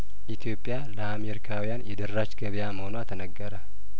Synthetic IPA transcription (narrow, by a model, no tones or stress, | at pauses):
ʔit̪ʰijo̞pʼːjaləameɾikʰawijanjɛd̪ərːat͡ʃɡəβjaməhonuat̪ʰənəɡːəɾə